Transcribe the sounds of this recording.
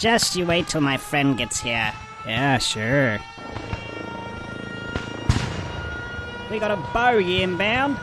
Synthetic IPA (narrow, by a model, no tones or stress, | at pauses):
d̥ʒ̥ʌst͡ʃɨweɪtʰəlˠmaɪfɹɛ̃ndɡɛtshiɹ | jæʃʊɹ | wiɡɑɾəboʊɪɨ̃nbãʊ̃n